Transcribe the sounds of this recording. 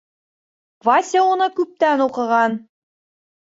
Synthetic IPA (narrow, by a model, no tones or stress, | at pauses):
vasʲeunɤkʉp̚t̪ænuqɤ̆ʁɑn